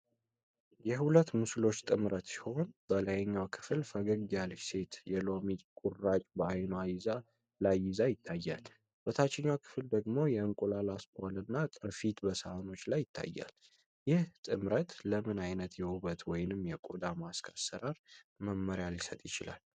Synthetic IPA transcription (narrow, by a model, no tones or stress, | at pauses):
jɛhulət̪ːmɨslo̞t͡ʃːt̪ʼɨmɾət̪si̥ho̞nb̥ələjɛɲːawkʰɨ̥fɨlfəɡəɡd̪jalse̞t̪jɛlo̞mikʼurːat͡ʃʼbəajnoajɪza | lajːɪzajɪt̪ʰːajːal | bət̪ʰat͡ʃːɪɲːawkʰɨ̥fɨld̪əɡmo̞jɛɨŋkʼulalaspalɨnːat̪ʼɨɾfit̪bəsaano̞t͡ʃːlajːɪt̪ʰːa̰jːa̰l | jɪht̪ʼɨmɾət̪ləmɨnajnət̪jɛuβət̪wɔjnɨmjɛkʼod̪amaskʰasːəɾaɾməmːəɾijaljɪsət̪ʼjɪt͡ʃɪla̰l